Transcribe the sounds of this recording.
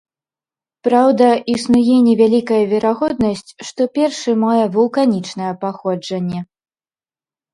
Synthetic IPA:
pɾawd̪ɐʔisnujɛnʲɛvʲalʲikɐjɐvʲɛɾaɣɔd̪nɐsʲt͡sʲʂt̪ɔpʲɛrʂɨmajɛvulˠkanʲit͡ʂnɐjɛpaxɔd͡ʐɐnʲːɛ

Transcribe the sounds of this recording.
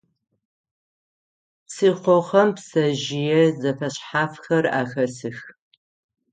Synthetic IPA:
siːqʷoχɐmpsɐʒɪjɛzɐfɐɕħaːfxɐra̰ːxɐsɨx

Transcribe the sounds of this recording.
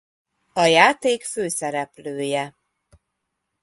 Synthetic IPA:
ɒjaːt̪eːkføːsɛɾɛpløːjɛ

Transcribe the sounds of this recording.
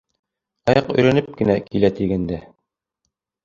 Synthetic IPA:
ɑjɑqɵ̰̆jɾænɘp̚kɘ̆nækʰilæt̪iɡænd̪æ

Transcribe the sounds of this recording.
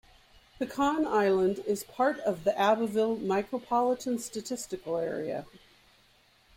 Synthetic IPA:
ðʰɨkʰɑ̃naɪlˠə̃ndɪz̥pʰɑɹɾʌvðiʔæbəvɪlˠmaɪkɹəpʰɑlˠəɾɨ̃nstɨtʰɪstɨkl̩ˠɛ̰ɹḭɨ̰

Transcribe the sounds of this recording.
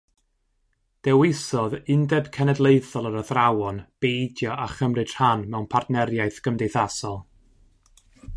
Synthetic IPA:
d̥ɛwɪsɔðɪndɛb̥kʰɛnɛdlˠejθɔlˠəɾəθrawɔnb̥ejdjɔʔaχəmrɨd̥hanmɛwnpʰartnɛɾjajθɡ̥əmdejθasɔlˠ

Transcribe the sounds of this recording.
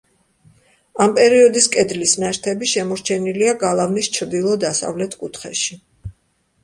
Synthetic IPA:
ampʼɛɾiɔd̪iskʼɛd̪lisnɛɾt̪ʰɛbiʃɛmɔɾt͡ʃʰɛniliaɡalˠavnist͡ʃʰɾd̪ilˠɔd̪asa̰vlɛt̪ʰkʼut̪ʰχɛ̰ʃi

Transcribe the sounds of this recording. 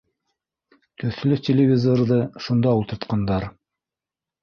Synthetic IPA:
kɵ̆θɘ̆lɵktʲelʲɪvʲɪzorðɤʃund̪ɑult̪ɤ̆ɾt̪qɑnd̪ɑɾ

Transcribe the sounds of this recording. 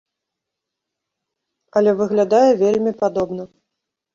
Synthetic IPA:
ɐlʲɛvɨɣlʲad̪ajɛvʲelʲmʲipad̪ɔbn̪ɐ

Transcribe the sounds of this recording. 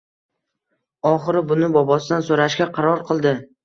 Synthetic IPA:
ɒχɨɾɪbʊnɪbɒbɒsɪd̪ansoɾaʃɡʲaqʰɑɾɒɾqʰɨlˠd̪ɪ

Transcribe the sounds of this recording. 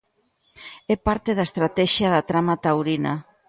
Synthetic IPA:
ɛpaɾt̪eðaest̪ɾat̪ɛʃjaðat̪ɾamat̪awɾina

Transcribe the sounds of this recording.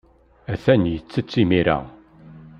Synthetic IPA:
æθænjət͡sːət͡sːimiɾæ̰

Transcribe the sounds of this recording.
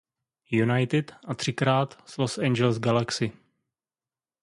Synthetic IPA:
junajt̪ɪt̪ʔat̪r̥ɪkɾaːt̪slosɛnd͡ʒɛlsɡalaksɪ

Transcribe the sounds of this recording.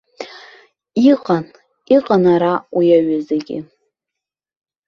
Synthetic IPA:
iqʼan | iqʼanaɾawijaɥazeɡʲɪ̰

